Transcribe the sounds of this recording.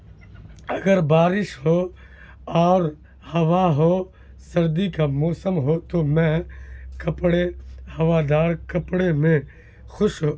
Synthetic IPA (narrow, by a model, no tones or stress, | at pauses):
ɐɡəɾbaːɾɪʃɦoː | ɔːɾ | hɐʋaɦoː | sɐɾd̪ikamɔːsəmɦot̪omɛ̃kɐpɽehɐʋad̪aːɾkɐpɽemẽ | xʊʃɦoː